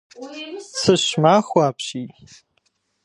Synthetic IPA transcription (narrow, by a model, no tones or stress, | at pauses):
sɨɕmaːχʷaːpʰʃi